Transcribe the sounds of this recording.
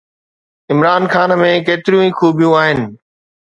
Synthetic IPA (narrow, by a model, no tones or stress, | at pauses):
ɪmɾaːnxaːnmẽːkeːt̪ɪɾijũĩːkʰuːbijũaːɦɪnɪ̆